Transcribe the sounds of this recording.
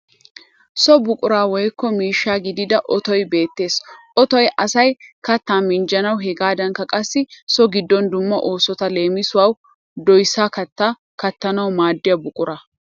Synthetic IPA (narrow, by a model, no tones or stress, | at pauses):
sɔbʊkʼʊɾaːwɔjkːɔmiːʃːaːɡɪd̪ɪd̪ɐʔɔt̪ɔjbe̞ːt̪ːe̞ːsʔɔt̪ɔjʔɐsɐjkɐt̪ːaːnmɪnd͡ʒɐnɐwɦɛɡaːd̪ɐnkːɐkʼɐsːɪsɔɡɪd̪ːɔnd̪ʊmːɐʔo̞ːsɔt̪ɐle̞ːmɪsʊwaːw | d̪ɔjsːaːkɐt̪ːaː | kɐt̪ːɐnɐwmaːd̪ːɪjɐbʊkʼʊɾɐ